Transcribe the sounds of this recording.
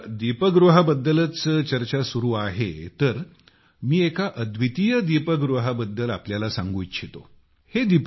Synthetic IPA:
d̪ipəɡɾuɦabəd̪ːələt͡st͡ɕəɾt͡ɕasuɾuːaɦet̪əɾ | miːekaʔəd̪ʋit̪ijəd̪ipəɡɾuɦabəd̪ːəlapljalasã̰ŋɡuːtɕʰet̪o̰ | hed̪ip

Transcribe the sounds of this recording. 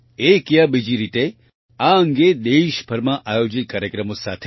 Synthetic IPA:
ekjəbid͡ʒiɾit̪e | aəŋɡed̪eʃbʱəɾmãʔajod͡ʒit̪̚kaːɾjəkɾəmosat̪ʰ

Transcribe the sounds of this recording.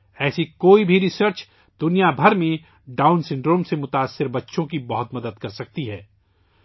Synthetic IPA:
ɛːsikoːibʱiɾɪsəɾt͡ʃ | d̪ʊnijabʱɐɾmẽ | ɖaːʊnsɪ̃ɳɖɾoːmsemʊt̪aːsːɪɾbɐtːʃõkibɐɦʊt̪mɐd̪əd̪̚kɐɾsɐk̚t̪iɦɛː

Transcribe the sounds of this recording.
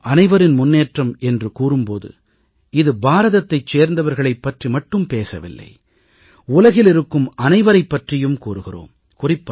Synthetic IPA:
ɐnɐɪʋɐɾɪnmʊnːeːʈrɐmɛndrɯkuːrɯmpoːðɯ̰ | ɪðɯbaːɾɐðɐt̪ːɐɪt͡ʃeːɾnd̪ɐʋɐɾɣɐɭɐɪpːɐʈrimɐʈːɯmpeːsɐʋɪ̰lːɐ̰ɪ | ʊlɐɣɪlɪɾɯkːɯmʔɐnɐɪʋɐɾɐɪpːɐʈrɪjɯmkuːɾɯɣɪro̰ːm | kʊrɪpːɐ

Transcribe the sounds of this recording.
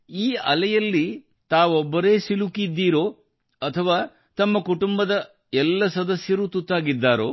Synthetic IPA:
iːɐlɛjɐlːi | t̪aːʋɔbːɐɾeːsilukid̪ːiːɾoː | ɐt̪ʰɐʋaː | t̪ɐmːɐkuʈumbɐd̪ɐ | ɛlːɐsɐd̪ɐsjɐɾut̪ut̪ːaːɡid̪ːaːɾo̰ː

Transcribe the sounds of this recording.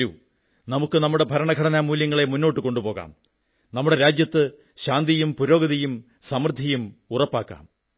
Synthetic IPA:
u | nɐmukːɨnɐmːuɽe̞bʱɐɾɐɳɐɡʱɐɽɐnaːmːuːljɐŋːɐɭe̞munːo̞ːʈːɨko̞ɳɖupo̞ːɣa̰ːm | nɐmːuɽe̞ɾaːd͡ʑjɐt̪ːɨ | ɕaːnd̪ijumpuɾo̞ːɡɐðijum | sɐmrd̪ʱːijumurɐpːaːkːa̰ːm

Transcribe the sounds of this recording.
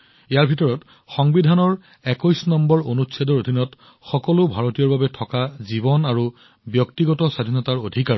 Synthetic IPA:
ejaɹbʱitɔɹɔt | xɔŋbidʱanɔɹ | ɛkɔjsnɔmbɔɹonutsadɔɹodʱinɔt | xɔkɔlʊbʱaɹotijɔɹbabɛtʰɔkazibɔnaɹu | bjɔktiɡɔtɔsadʱinɔtaɹodʱikaɹ

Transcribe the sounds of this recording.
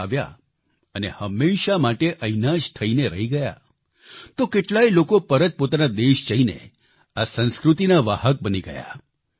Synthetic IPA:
aʋja̰ | ənehəmːeʃamaʈeʔəinad͡ʒt̪ʰəineɾəɦiɡəja̰ | t̪okeʈlailokopəɾət̪̚pot̪anad̪eʃd͡ʒəɦinḛ | asə̃nskɾut̪inaʋaɦək̚bəniɡə̰ja̰

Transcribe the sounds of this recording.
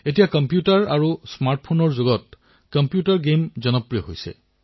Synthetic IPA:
etijakɔmpjutaɹaɹusmaɹʈ̚ʰpʰonɔɹzoɡɔt̚ | kɔmpjutaɹɡemzɔnɔpɹijɔɦojsɛ̰

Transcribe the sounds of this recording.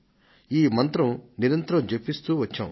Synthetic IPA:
iːmɐnt̪ɾɐmniɾɐnt̪ɾɐ̃md͡ʒɐpːist̪uʋɐt͡ʃʰːɐ̰w

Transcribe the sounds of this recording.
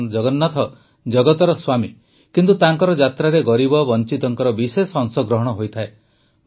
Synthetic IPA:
nd͡ʒɔɡɔnːat̪ʰɔ | d͡ʒɔɡɔt̪ɔɾɔswami | kint̪ut̪aŋkɔɾɔd͡ʒat̪ɾaɾeɡɔɾibɔbɔnt͡ʃit̪ɔŋkɔɾɔbisesɔŋsɔɡɾɔɦɔɽ̃ɔɦojt̪ʰae

